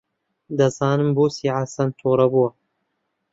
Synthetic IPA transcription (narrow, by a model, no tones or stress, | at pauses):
d̪ɐzɑːnɨmboːsiːʕasɐnt̪ʰoːɾɐbuwɐ